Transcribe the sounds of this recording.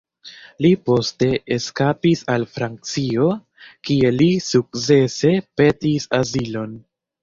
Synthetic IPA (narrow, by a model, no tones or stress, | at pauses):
lipo̞ste̞eskapisalfɾant͡sio̞ | kie̞lisuk̚t͡se̞se̞pe̞tisazilo̞n